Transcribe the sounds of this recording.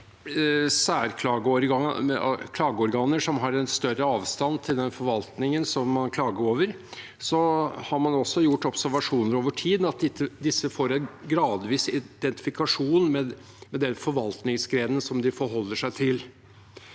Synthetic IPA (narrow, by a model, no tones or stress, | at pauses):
sæːɾkʰlɑːɡəɔɾɡɑkʰlɑːɡəɔɾɡɑːnəʂɔmɦɑɾɛnst̪œrəɑːʋst̪ɑnːt̪ʰɪld̪ɛnfɔɾʋɑlt̪nɪŋənsɔmːɑnkʰlɑːɡəɾoːʋəɾ | sɔhɑɾmɑnɔsːɔjʊʈːɔpsæɾʋɑʂuːnəɾoːʋəʈʰiːd̪n̩ɑt̪̚d̪ɪt̪ʰːəd̪ɪsːəfoːɾɛnɡɾɑːd̪ʋiːsɪd̪̥ɛnt̪ɪ̥fɪkʰɑʂuːnmɛ | mɛd̪ɛnfɔɾʋɑlt̪nɪŋsɡɾeːd̪ən̩sɔmd̪ɪfɔɾɦɔlːəʂæɪt̪ʰɪl